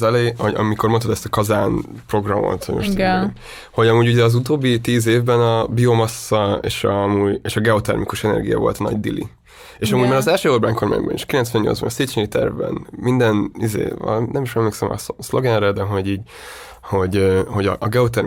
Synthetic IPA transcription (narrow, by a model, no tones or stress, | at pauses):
zɛleo̰ɒ̰miko̞rmont̪od̪ɛst̪ɒkɒzaːn | pro̞ɡrɒmo̰t̪hoɟmoʃt̪ | ho̞ɟɒmuːɟuɟɛɒzut̪oːbːit̪iːzeːvbɛnɒbio̞mɒsːɒḛːʃɒmuːjeːʃɒɡɛot̪ɛ̰rmikuʃɛnɛ̰rɡijɒ̰vo̞̰lt̪nɒ̰ɟd̪ilḭ | eːʃɒmuːɟmaːɾɒzɛlʃøːorbaːɲko̞rma̰ːɲbɒ̰nḭʃkilɛnt̪sʋɛnɲo̞lzbɒ̰nseːt̪t͡ʃeit̪ɛ̰rvbɛ̰nmind̪ɛnizḛːɒ̰nɛmiʃɛmleːksɛmɒ̰slo̞ɡɛnrɛd̪ɛɦo̞ɟiːɟ | ho̞ɟøho̞ɟɒ̰ʔːɡɛot̪ɛr